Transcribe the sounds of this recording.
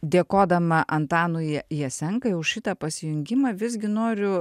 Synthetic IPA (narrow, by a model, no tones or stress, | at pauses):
d̪ʲeːkoːd̪ɐmɐʔɐnt̪ɑːnʊjɛjɛsʲɛŋkɐjɛʊʃʃʲɪt̪ɐpɐsʲɪjʊŋʲɡʲɪmɐʋʲɪzʲɡʲɪnoːɾʲʊ